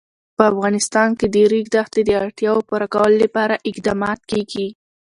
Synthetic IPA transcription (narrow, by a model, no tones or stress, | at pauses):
pəafɣɑnɪst̪ɑnked̪əɾiɡd̪axt̪ed̪əaɽt̪jɑwopuɾakawəlolapɑɾaʔɪqd̪ɑmɑt̪̚keɡi